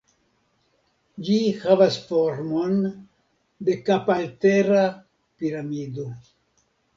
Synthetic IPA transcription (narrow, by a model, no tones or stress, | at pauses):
d͡ʒihavasfoɾmo̞n | de̞kapalteɾa | piɾamido